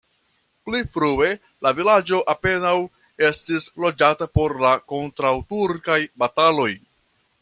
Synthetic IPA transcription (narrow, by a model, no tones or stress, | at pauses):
plifɾue̞ | lavilad͡ʒo̞ʔape̞naw | e̞stislo̞d͡ʒatapo̞ɾlako̞ntɾawtuɾkajbatalo̞j